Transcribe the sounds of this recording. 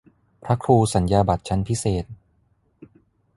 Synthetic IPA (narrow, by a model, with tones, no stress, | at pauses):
pʰɾa˦˥kʰɾuː˧sa˩˦njaː˧ba˨˩t̪̚t͡ɕʰa˦˥npʰi˦˥seː˨˩t̪̚